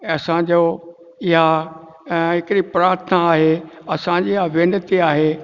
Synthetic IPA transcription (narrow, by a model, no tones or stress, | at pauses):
ɐsãd͡ʑoː | ɪɦa | ɦɪkɪɾipɾaːɾt̪ʰənaːɦeɐsãd͡ʑiːɪɦaʋenət̪iaːɦeː